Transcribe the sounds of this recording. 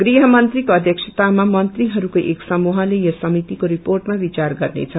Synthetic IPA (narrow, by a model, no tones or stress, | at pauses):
ɡ̥riɦʌmʌnt̪rikoʌd̪ʱjʌksʰet̪amamʌnt̪riɦʌɾukoʔeksʌmuɦʌlejʌsʌmit̪ikoɾiporʈmabit͡sarɡʌrnḛt͡sʰʌ